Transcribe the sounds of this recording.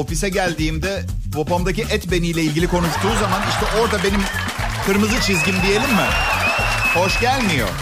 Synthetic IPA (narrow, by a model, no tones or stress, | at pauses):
o̞fisɛɟælʲd̪iːmd̪ɛvopamd̪aciʔɛt̪be̞nijlʲɛilʲɟʲilʲikʰo̞nuʃt̪ːuːzamaniʃt̪ɛʔo̞ɾd̪abe̞nim | kʰɯɾmɯzɯt͡ʃʰizɟʲind̪ije̞lʲimːɪ̰ | ho̞ʃɟælʲmijo̞̰